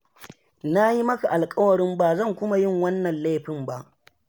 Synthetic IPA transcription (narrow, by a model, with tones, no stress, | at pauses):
na˦ji˦mɐ˦ka˨ʔa˨lkʼɐ˦wɐ˨ɽɪ˦mbaː˨zɐ˦˨ŋkʷʊ˦ma˦jɪ˦˨ŋwɐ˦nːɐ˨nla˦ɸɪ˨mba˦ʔ